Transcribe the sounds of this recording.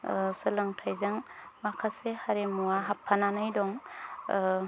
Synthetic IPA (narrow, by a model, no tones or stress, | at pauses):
sɯlɯŋtʰajzaŋmakʰasehaɾemuaɦapʰːananɯjdɔŋ